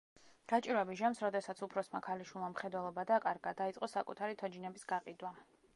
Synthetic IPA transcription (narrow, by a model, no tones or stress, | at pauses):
ɡ̥at͡ʃʼiɾwɛbiʒamsɾɔd̪ɛsat̪sʰupʰɾɔsmakʰaliʃwilˠmamχɛd̪wɛlˠɔbad̪akʼaɾɡad̪ait̪sʼɔsakʼut̪ʰaɾit̪ʰɔd͡ʒinɛbisɡaqʼid̪wa